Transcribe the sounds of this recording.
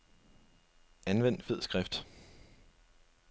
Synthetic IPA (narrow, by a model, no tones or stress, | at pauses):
ænʋen̰d̥fe̝ð̞̰ˠsɡ̥ʁɛfd̥